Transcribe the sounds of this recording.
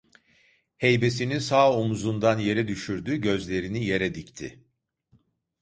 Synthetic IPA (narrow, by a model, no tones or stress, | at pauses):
hejbe̞sininsaːomuzund̪anje̞ɾɛd̪yʃyɾd̪yːɟø̞zlʲe̞ɾinije̞ɾɛd̪ict̪ʰɪ̰